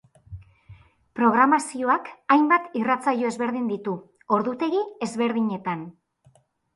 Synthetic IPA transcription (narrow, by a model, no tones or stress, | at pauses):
pɾo̞ɣɾamasio̞akajmbat̪irat͡sajo̞e̞zβe̞ɾðind̪it̪u | o̞ɾðut̪e̞ɣie̞zβe̞ɾð̞iɲe̞t̪an